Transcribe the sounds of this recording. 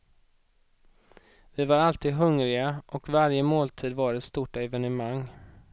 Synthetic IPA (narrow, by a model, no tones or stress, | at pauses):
vɪvaɾalt̪ʰiːd̪ɦɵŋɾɪɡaʔɔkvaɾjəmoːlt̪ʰiːd̪vɑːɾɛt̪st̪uːʈaɛvɛnɛmaŋ